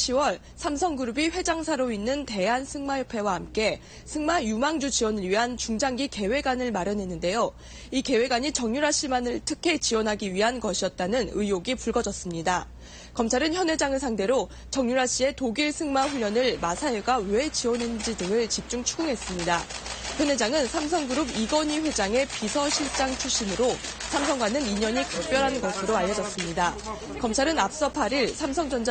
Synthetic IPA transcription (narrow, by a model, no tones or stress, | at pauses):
ɕʰiwʌɭ | sʰamsʰʌŋɡuɾubiɸwe̞d͡ʑaŋsʰaɾoinːɯnte̞ɦansʰɯŋmajopʰe̞wahamk͈e̞ | sʰɯŋmajumaŋd͡ʑud͡ʑiwʌnɯɭɥiɦant͡ɕuŋd͡ʑaŋɡike̞we̞ɡanɯɭmaɾjʌnɦe̞nːɯnde̞jo | ike̞we̞ɡaɲit͡ɕʌŋɲuɾaɕ͈imanɯɭtʰɯkʰe̞t͡ɕiwʌnɦaɡiɥiɦankʌɕʰijʌt̚t͈anɯnɯijoɡipuɭɡʌd͡ʑʌs͈ɯmɲida | kʌmt͡ɕʰaɾɯnçjʌnwe̞d͡ʑaŋɯɭsʰaŋde̞ɾo | t͡ɕʌŋɲuɾaɕ͈ie̞toɡiɭsʰɯŋmaɸuʎːʌnɯɭmasʰaeɡawe̞t͡ɕiwʌnɯnd͡ʑidɯŋɯɭt͡ɕip̚t͡ɕ͈uŋt͡ɕʰuɡɯŋɦe̞s͈ɯmɲidaçjʌnwe̞d͡ʑaŋɯnsʰams̬ʰʌŋɡɯuɾubiɡʌɲiɸwe̞d͡ʑaŋe̞pisʰʌɕʰiɭt͡ɕ͈aŋt͡ɕʰuɕ͈imɯɾosʰams̬ʰʌŋɡwanɯniɲʌɲikak̚p͈jʌɾɦanɡʌsʰɯɾoaʎːʌd͡ʑʌs͈ɯmɲida | kʌmt͡ɕʰaɾɯnap̚s͈ʌpʰaɾiɭsʰamsʰʌŋd͡ʑʌnd͡ʑ